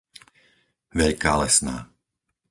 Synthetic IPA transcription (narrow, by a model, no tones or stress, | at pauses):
ʋɛʎkaːlɛsna̰ː